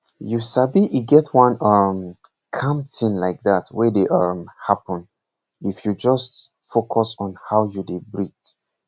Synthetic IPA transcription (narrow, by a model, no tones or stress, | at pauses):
jusabiʔiɡɛtʰwãnʌm | kʰãmtʰĩnlaɪk̚ðatwɛdeʔʌmhapə̃n | ifjud͡ʒʌst | fokʰɔsɔ̃nhawjudibɹit